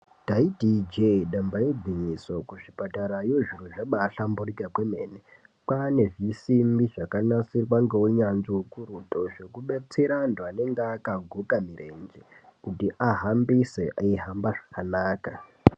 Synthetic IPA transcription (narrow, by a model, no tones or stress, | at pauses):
daidid͡ʒeɗambajed͡ziɲiso̞kuʐipataɾajo̞ʐir̤uʐaɓaːɬamburikakwe̞me̞ːne | pane̞ʐisimbiʐakanasirwaŋɡeweɲanʐiwokuɾuto̞ʐe̞kuɓe̞t͡se̞ɾandwane̞ŋɡeːkaɡʱukamiɾe̞nd͡ʒekutiʔaɦambiseʔaiɦambaʐḁkanaːka